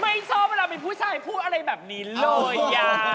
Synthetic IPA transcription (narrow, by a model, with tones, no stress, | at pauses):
ma˥˩jt͡ɕʰɔː˥˩p̚a˧ɾaː˧pe˧npʰuː˥˩t͡ɕʰaː˧jpʰuː˥˩t̪̚a˧ɾa˧jbɛː˨˩p̚niː˦˥loː˧˩˧a˧˩